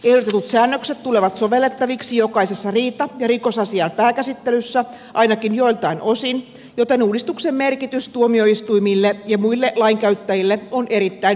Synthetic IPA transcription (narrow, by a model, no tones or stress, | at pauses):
ehlot̪et̪ut̪sæːnːøkset̪t̪uleʋɑt̪soʋelːet̪ːɑʋiksijokɑisesːɑriːt̪ɑjɑrikosɑsiɑnpæːkæsit̪ːelysːæ | ʔɑinɑkinjoilt̪ɑinosin | jot̪enuːdist̪uksemmerkit̪yst̪uomioist̪uimilːejɑmuilːeʔlɑiŋkæyt̪ːæjilːeonʔeɾit̪ːæin